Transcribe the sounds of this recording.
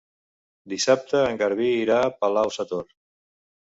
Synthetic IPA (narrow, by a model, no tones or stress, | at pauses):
d̪isap̚t̪əːŋɡəɾβiːɾapəlawsət̪or